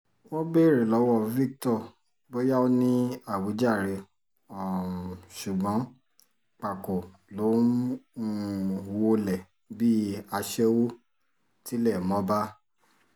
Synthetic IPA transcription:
wɔ̃˦be˦˨ɾe˨lɔ˨˦wɔ˦˨vi˦k̚tɔ˦˨ | bo˦ja˦o˦nĩ˦a˦˨wi˨˦d͡ʒa˦˨ɾe˧ | ɔ˨ʃu˨ɡ͡bɔ̃˨˦ | k͡pa˨ko˨ | lo˨˦ | wo˧lɛ˨ | bi˦a˧ʃɛ˦wo˦ | ti˨˦lɛ˦˨mɔ̃˨˦ba˦

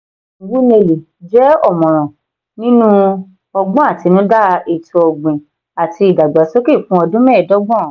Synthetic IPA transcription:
ɡ͡bu˦ne˧˨li˨ | d͡ʒɛ˨˦ɔ˦˨mɔ̃˨ɾ̃ɔ̃˨ | nĩ˦nũ˦ | ɔ˧ɡ͡bɔ̃˦a˦˨ti˨˧nũ˦da˦e˨tu˧ɔ˧ɡ͡bĩ˨ | a˨ti˧i˨da˨ɡ͡ba˨˦so˦ki˦˨fũ˦ɔ˧dũ˦mɛ̃˦ɛ˨dɔ˦ɡ͡bɔ̃˦˨

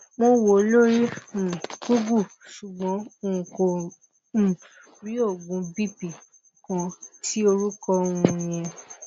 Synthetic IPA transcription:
mo˧wo˨o˨˦lo˦ɾi˦˨ | ɡu˦ɡu˦˨ʃu˨ɡ͡bɔ̃˨˦o˧ũ˨ko˨ | ɾi˨˦o˦˨ɡũ˨˧bi˦pi˨ | kɔ̃˧ti˦o˧ɾu˦kɔ˧o˧ũ˧˨j̃ɛ̃˧

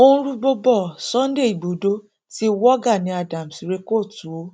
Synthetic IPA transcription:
o˦ũ˦ɾu˦ɡ͡bo˦bɔ˦˨sɔ̃˦n˦de˦˨i˨ɡ͡bo˨do˦ | ti˦wɔ˦ɡa˦˨nĩ˨˦a˧˨dã˨m̩˨si˨ɾe˨˦ko˦˨tu˨o˦

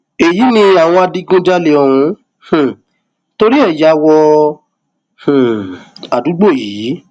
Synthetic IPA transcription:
e˨ji˨˦nĩ˧a˨w̃ɔ̃˧a˧di˧ɡũ˦d͡ʒa˧le˨ɔ˨ɾ̃ũ˨˧˦ | h̩˨ | to˧ɾi˦ɛ˦˨ja˨˦wɔ˧ | h̩˨a˨du˨˦ɡ͡bo˦˨jiː˨˦

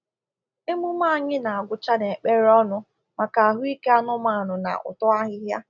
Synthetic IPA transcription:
e˦mu˦m˦a˦a˨ɲɪ˦na˨a˨ɡʷʊ˨t͡ʃa˦ne˨e˨k͡pe˦ɾɔ˦nʊ˨ | ma˨ka˨a˨ɦʊ˦i˦ke˦a˦nʊ˦ma˦˨a˨nʊ˨na̰˨ʔʊ̰˨tɔ˦a˦ɦɪ˦ɦja˦

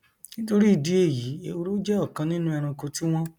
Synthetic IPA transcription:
nĩ˦to˦ɾi˦i˦˨di˨˦e˦˨ji˨˦e˧o˧ɾu˦d͡ʒɛ˦ɔ˦˨kã˧nĩ˦nũ˦ɛ˧ɾ̃ũ˧ko˧ti˦w̃ɔ̃˦

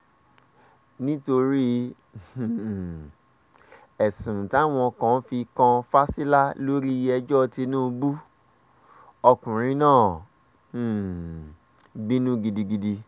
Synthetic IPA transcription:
nĩ˦to˧ɾi˦ | h̩˨ | ɛ˨sũ˨ta˨˦˨w̃ɔ̃˧ɔ˧kã˨˦fi˧kã˧fa˦si˦la˦lo˦ɾi˦ɛ˧d͡ʒɔ˦˧ti˧nũ˦˧bu˦ | ɔ˧kũ˨ɾ̃ĩ˨˦nãː˦˨ | bĩ˦nũ˦ɡi˧di˧ɡi˧di˧

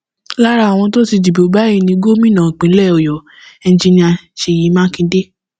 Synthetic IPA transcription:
la˦ɾa˦˨w̃ɔ̃˧to˦ti˧d͡ʒi˨bo˨˦ba˦i˦˨nĩ˧˦ɡo˦mĩ˦nã˨k͡pĩ˨˦lɛ˦˨o˨jɔ˨ | ɛ˧n˦d͡ʒi˧nĩ˧a˧ʃe˨ji˨˦mãː˦kĩ˧˦de˦

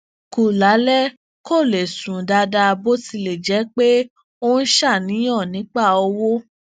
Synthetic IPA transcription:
ku˨la˨˦lɛ˦ | ko˦˨le˨sũ˨da˧da˧bo˦ti˧le˨d͡ʒɛ˨˦k͡pe˦ | o˦n̩˦ʃa˦˨nĩ˨˦j̃ɔ̃˦˨nĩ˨˦k͡pa˦˨o˧wo˦

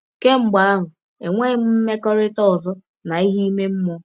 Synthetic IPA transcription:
ke˦ŋ͡m̩˦ɡ͡ba˦a˦ɦʊ˨ | e˨ŋʷe˦m̩˦m̩˦me˦kɔ˦ɾɪ˦tɔ˦ɔ˨zɔ˦ | na˨i˦ɦi˦me˦m̩˦mɔ˦

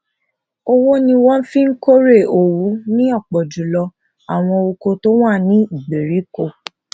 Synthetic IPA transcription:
o˧wo˦nĩ˧wɔ̃˦n̩˦fĩ˦ŋ̩˦ko˦ɾe˦˨o˨wu˨˦nĩ˦ɔ˦˨k͡pɔ˨d͡ʒu˨lɔ˧ | a˨w̃ɔ̃˧o˧ko˧to˦w̃a˦˨nĩ˦i˨ɡ͡be˨ɾi˨˦ko˧˨

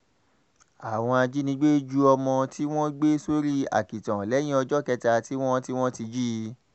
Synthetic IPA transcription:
a˨w̃ɔ̃˧a˧d͡ʒi˦nĩ˧˦ɡ͡be˦d͡ʒu˦ɔ˧mɔ̃˧tʰi˦w̃ɔ̃˦ɡ͡be˦so˦ɾi˦a̰˨ki˨tã˨lɛ˨˦j̃ĩ˦ɔ˧d͡ʒɔ˦kɛ˧ta˧ti˦w̃ɔ̃˦ti˦w̃ɔ̃˦ti˧d͡ʒi˦˧

